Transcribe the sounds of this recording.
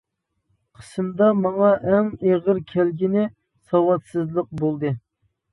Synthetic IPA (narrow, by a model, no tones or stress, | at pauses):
qʰə̥sɨmd̪ɑmɑŋɑʔɛŋeʁəɾkʲʰælɡʲinɪ | sɑwɑt̪sɨzlˠəq̚bolˠd̪ɨ